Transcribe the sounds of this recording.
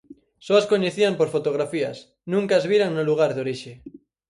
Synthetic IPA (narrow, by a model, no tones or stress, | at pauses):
soaskoɲeθiampoɾfot̪oɣ̞ɾafia̰s | nũŋkazβiɾaŋnoluɣ̞aɾðoɾiʃe